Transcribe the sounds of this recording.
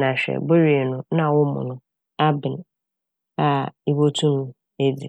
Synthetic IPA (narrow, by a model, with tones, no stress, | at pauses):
nã˨ɕᶣɛ̰˨bo˦ɾi˨e˨nʊ̃˦nã˦˨wʊ˦mʊ̰̃˨nʊ̃˦ | a˦bɪ˨n | a˨i˦bo˦tʰũ˦nʊ̃˦ | e˦di˨